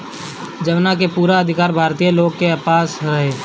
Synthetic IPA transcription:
d͡ʒəʋnakepuːɾaəd̪ʱɪkaːɾbʱaːɾt̪ijəloːɡ̚keapaːsɦeː

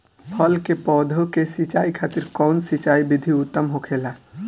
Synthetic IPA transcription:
pʰəlkepɔːd̪ʱokesɪt͡ʃaːikʰaːt̪ɪɾkɔːnsɪt͡ʃaːibɪd̪ʱiʊt̪ːəmɦokʰeːla

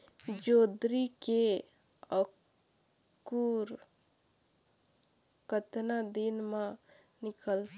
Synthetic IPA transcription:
d͡ʒoːd̪ɾike | ə | kuɾ | kət̪nad̪inmã | nɪkəlt̪

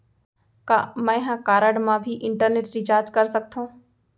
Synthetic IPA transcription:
ka̰ːmə̃ɦãːkaːɾəɽmãːbʱiʔɪɳʈəɾneːʈɾɪd͡ʒaːɾd͡ʒkəɾsək̚t̪ʰõː

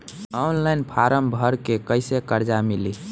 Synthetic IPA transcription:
ɔnlaɪnpʰaɾəmbʱəɾkekəɪsekəɾd͡ʒamili

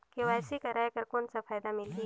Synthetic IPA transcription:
keɛːsikɐɾajkɐɾkoːnsafaːjd̪amɪlɡi

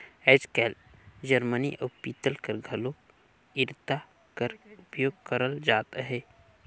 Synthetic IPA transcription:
ɛːd͡ʒkɛːl | d͡ʒəɾməniʔopiːt̪əlkɐɾɡʱɐlo | ɪɾt̪a | kəɾʊpjoːɡ̚kəɾəld͡ʒaːt̪ɦɛː

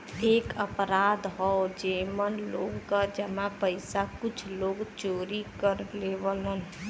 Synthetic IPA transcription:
eːkəpɾaːd̪ɦɔod͡ʒeːmənloːɡkad͡ʒəmãpəɪsakʊt͡ʃʰloːɡt͡ʃoːɾikəɾleːʋələn

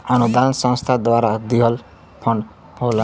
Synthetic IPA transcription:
ʌnud̪aʌnsʌ̃ŋst̪ʰad̪waɾad̪iɦʌl | pʰʌn | ɦola

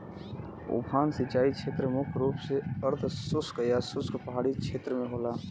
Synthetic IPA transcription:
ʊ̰bʱʰaːnsɪt͡ʃaːikʰeːt̪ɾəmʊkʰɾuːpseəɾt̪ʰsʊskjasʊskpəɦaːɽikt͡ʃʰeːt̪ɾəmẽɦoːlaː

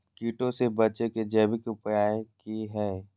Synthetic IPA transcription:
kiːʈõsebɐt͡ʃeked͡ʒɛːbɪkʊpjaːekiɦɛː

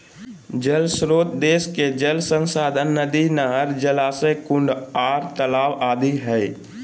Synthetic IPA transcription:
d͡ʒəlsɾoːt̪d̪eːsked͡ʒəlsə̃nsaːd̪ʱənːəd̪inəɦəɾd͡ʒəlaːsəkʊ̃ɳɖaːɾt̪əlaːwaːd̪ʱiɦɛ

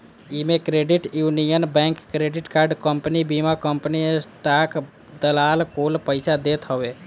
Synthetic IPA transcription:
imẽkɾeːɖɪʈjuːnijənbɛ̃ːŋkːɾeːɖɪʈkaːɾɖkəmpnibimakəmpənisʈaːk | d̪əlaːlkoːlpəɪsad̪eːt̪ɦəʋe

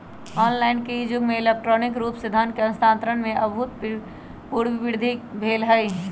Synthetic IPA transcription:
ɔːnlaːɪnkeid͡ʒʊɡmẽɪlek̚ʈɾɔːnɪkɾuːpsed̪ʱankeə̃nst̪ʰãːnt̪ɾənmẽʔɐbʊt̪̚p | puːɽʋɪʋɪɾd̪ʱikbʱeːlɦəi

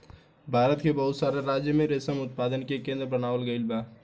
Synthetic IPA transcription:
bʱaːɾət̪kebɐɦʊt̪saːɾeɾaːd͡ʒjəmẽɾesəmʊt̪̚paːd̪ənkekẽːnd̪ɾəbənaːʋəlɡəɪlbaː

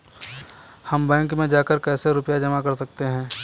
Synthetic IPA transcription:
hɐmbɛ̃ːŋkmẽd͡ʒaːkəɾkɛːseɾʊpjad͡ʒɐmakɐɾsɐk̚t̪eɦɛ̃ː

